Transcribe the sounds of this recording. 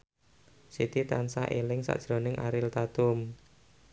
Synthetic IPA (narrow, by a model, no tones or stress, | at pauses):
sit̪it̪ansa̰ʔelɪŋsa̰ʔd̥ʒ̥ɾonɪŋʔaɾɪlt̪at̪ʊm